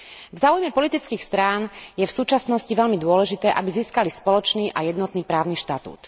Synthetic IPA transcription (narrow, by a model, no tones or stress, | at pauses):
vzaːujmɛpɔlit̪it͡skiːxst̪ɾaːnjɛfsuːt͡ʃasnɔsciʋɛlmid̪ʊɔlɛʒit̪ɛːʔabiziːskalispɔlɔt͡ʃniːʔajɛd̪nɔt̪niːpɾaːʊniʃt̪at̪ṵːt̪